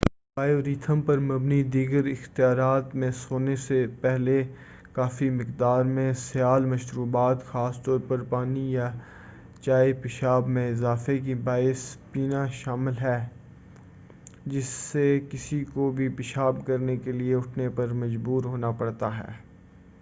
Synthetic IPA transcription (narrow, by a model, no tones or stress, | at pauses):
baːjoɾiːt̪ʰəmpɐɾmɐbnid̪iːɡəɾɪxt̪ijaːɾaːt̪mẽsoːnesepɛɦle | kaːfimɪqd̪aːɾmẽsɪjaːlmɐʃɾuːbaːt̪xaːst̪ɔːɾpɐɾpaːnija | t͡ʃaːipɪʃaːbmẽɪzaːfek̬ibaːɪspiːnaʃaːmɪlɦɛː | d͡ʒɪsːekɪsikobʱipɪʃaːb̚kɐɾnekelieʊʈʰnepɐɾmɐd͡ʒbuːɾɦoːnapɐɽt̪aɦɛ̰ː